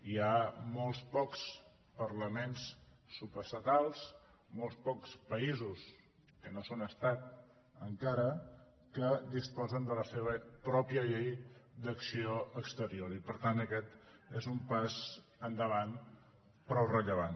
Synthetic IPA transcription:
iamɔlˠspɔks | pəɾləmensː | upəst̪ət̪alˠs | molˠspɔkspəizus | kənosonəst̪at̪̚ | əŋkaɾə | kəd̪ispɔzənd̪ələseβəpɾɔpiəʎejd̪əksioəkst̪əɾioɾipəɾt̪anəkɛt̪ | ezumpaz | ənd̪əβan | pɾɔwrəʎəβan

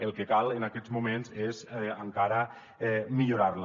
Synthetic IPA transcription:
əlˠkəkalˠənakɛzmumenzezəŋkaɾə | ɛmiʎuɾarl

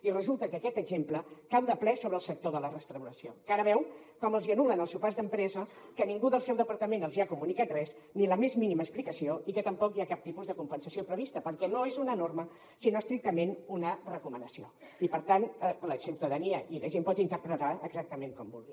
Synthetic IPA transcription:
irəzulˠt̪əkəːkɛt̪əɡzempləkawðəplɛsoβɾəːlˠsək̚t̪oðələrəst̪ɾəwɾəsiokaɾəβ̞ɛw | kɔməlˠziənulənəlˠsuwpazðəmpɾɛzəkəniŋɡuðəlˠsɛwðəpəɾt̪əmenəlˠziakumunikat̪rɛz | niləmezminiməːsplikəsioikət̪əmpɔkiakap̚t̪ipuzðəkumpənsəsiopɾəβ̞ist̪əpəɾkɛnoezunənormə | sinoəst̪ɾik̚t̪əmenunərəkumənəsio | ipəɾt̪anləsiwt̪əðəniəʔiləʒempɔt̪int̪əɾpɾət̪aəɡzak̚t̪əmeŋkɔmbṵlˠɣi

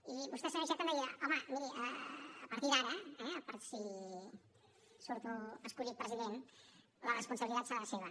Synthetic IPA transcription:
iβust̪ɛsənuns̬at̪əmnejiəɔməmiɾiʔəːpəɾt̪iðaɾəɛəpəɾsi | suɾt̪uəskuʎit̪̚pɾəziðen | lərəspunsəβilit̪at̪səɾaləseβ̞ə

